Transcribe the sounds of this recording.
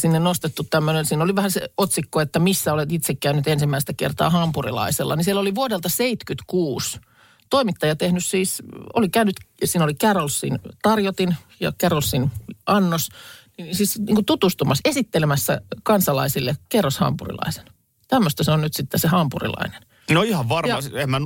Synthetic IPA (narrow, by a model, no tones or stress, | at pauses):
sinːennost̪et̪ːut̪t̪æmːønensiːnoliʋæhæsḛot̪sikːoet̪ːæmisːæolet̪it̪sekːæynːyt̪ensimːæist̪ækḛrt̪ɑ̰ːhɑmpurḭlɑ̰iselːɑ̰nisieloliʋuodelt̪ɑseit̪kyt̪kuːs | t̪oimit̪ːɑjɑt̪ehnyssiːso̰likæynyt̪siːnolikærolsːint̪ɑrjot̪in | jɑ̰kærolsːinʔɑnːosninsiːsniːŋkut̪ut̪ust̪umɑsesit̪ːelemæsːæ̰kɑnsɑlɑisilːekerːoshɑ̰mpṵrḭlɑ̰ise̥n | t̪æmːøst̪ɑseonnyt̪sit̪ːesehɑmpurḭlɑ̰inen | noihɑʋʋɑrjɑsemmæn